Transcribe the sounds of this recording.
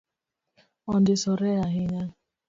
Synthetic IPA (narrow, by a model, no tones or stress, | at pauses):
ɔn̩dɪsɔɾɛaɦɪɲa